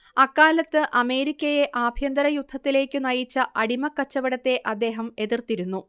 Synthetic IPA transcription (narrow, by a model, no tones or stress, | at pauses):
ɐkːaːlɐt̪ːɨʔɐme̞ːɾikʲːɐje̞ʔaːbʱjɐnd̪ɐɾɐjud̪ʱːɐt̪ːile̞ːkʲːɨnɐjit͡ɕːɐʔɐɽimɐkːɐt͡ɕːɐʋɐɽɐt̪ːe̞ʔɐd̪ːe̞ːɦɐme̞ðirt̪iɾunːu